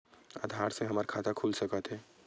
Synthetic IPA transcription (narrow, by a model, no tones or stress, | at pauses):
a̰ːd̪ʱaːɾseɦɐmaɾkʰaːt̪akʰuːlsɐkət̪ɦɛː